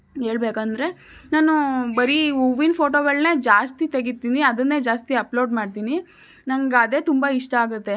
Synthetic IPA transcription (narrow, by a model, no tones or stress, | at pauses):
ɦe̞ːɭbeːkɐnd̪ɾe̞ | naːnubɐɾiuʋinpʰo̞ːʈoːɡɐɭne̞ːd͡ʒaːst̪it̪eɡit̪ːiːniɐd̪ɐnːe̞ːd͡ʒaːst̪iɐplo̞ːɖmaːɖt̪iːni | nɐŋɡɐd̪e̞ːt̪umbaiʂʈɐaːɡut̪ːe̞